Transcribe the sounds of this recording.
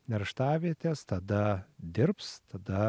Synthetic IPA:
nʲɛɾʃt̪ɑːʋʲiɛt̪ʲeːst̪ɐd̪ɐd̪ʲɪɾpst̪ɐd̪ɐ

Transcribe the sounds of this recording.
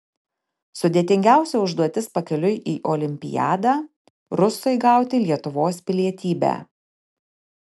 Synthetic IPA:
sʊd̪ʲeːt̪ʲɪŋʲɡʲæˑʊsʲɛʊʒd̪uɔt̪ʲɪspɐkʲɛlʲʊjʔiːʔoːlʲɪmʲpʲɪ̰jæ̰ːd̪ɑː | ɾʊsɔɪɡɐˑʊt̪ʲɪlʲiɛt̪ʊʋoːspʲɪlʲiɛt̪ʲiːbʲæ̰ː

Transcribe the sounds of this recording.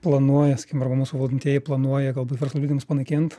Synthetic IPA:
plˠɐnuɔjɛsɐkiːkʲɪmɐɾbɐmuːsuːʋɐlˠʲdʲɪnʲt̪ʲiɛjɛplˠɐnuɔjɛɡɐlˠbuʋɛrslˠɐlʲiːd̪ʲɪmʊspɐnɐɪkʲɪnt̪

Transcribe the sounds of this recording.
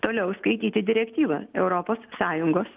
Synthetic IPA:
t̪oːlʲɛʊskɐɪt̪ʲiːt̪ʲɪd̪ʲɪɾʲɛkt̪ʲiːʋɐɛʊɾopoːsːɑːjʊŋɡoːs

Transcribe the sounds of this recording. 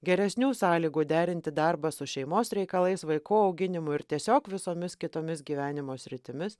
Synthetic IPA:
ɡʲɛɾʲɛsʲnʲuːsɑːlʲiːɡuːd̪ʲæːɾʲɪnʲt̪ʲɪd̪ɐɾbɐsʊʃʲɛɪmoːsɾʲɛɪkɐlˠɐɪsʋɐɪkuːɒʊɡʲɪnʲɪmʊɪɾt̪ʲiɛsʲoːkʋʲɪsoːmʲɪskʲɪt̪oːmʲɪsɡʲiːʋʲæːnʲɪmoːsʲɾʲɪt̪ʲɪmʲɪs

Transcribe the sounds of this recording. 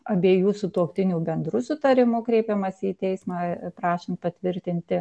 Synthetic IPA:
ɐbʲeːjuːsʊt̪uɔkt̪ʲɪnʲuːbʲɛnd̪ɾʊsʊt̪ɐɾʲɪmʊkɾʲɛɪpʲɛmɐsʲɪiːt̪ʲɛɪsmɑːpɾɑːʃʲɪnt̪̚pɐt̪ʲʋʲɪɾʲt̪ʲɪnʲt̪ʲɪ

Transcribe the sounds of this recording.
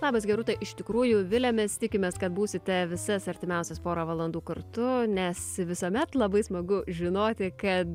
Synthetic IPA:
lˠɑːbɐsɡʲɛɾʊt̪ɐɪʔɪʃt̪ʲɪkɾuːjʊʋʲɪlʲɛmʲɛst̪ʲɪkʲɪmʲeːskɐt̪buːsʲɪt̪ʲɛʋʲɪsɐsɐɾʲt̪ʲɪmʲɛʊsʲɛspoːɾɐʋɐlˠɐnd̪uːkɐrt̪ʊnʲɛsʋʲɪsoːmʲɛt̪lˠɐbɐɪsmɐɡʊʒʲɪnoːt̪ʲɪkɐt̪

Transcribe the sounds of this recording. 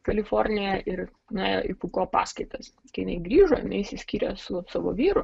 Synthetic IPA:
kɐlʲɪfoɾʲnʲɪjɛʔɪɾ | nʲeːjo̰ːʔɪpuːkoːpɑ̰ːskɐɪt̪ɐs | kɐɪjɪnɐɪɡɾʲiːʒoːjɪ̰nɐɪsʲɪsʲkʲiːɾʲɛsʊsɑːʋo̰ːʋʲiːɾʊ

